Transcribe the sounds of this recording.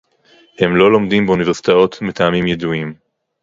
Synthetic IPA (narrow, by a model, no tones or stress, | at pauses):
hemlo̞lo̞md̪imbeuniveʁsi̥t̪ao̞t̪metaːmimjeduim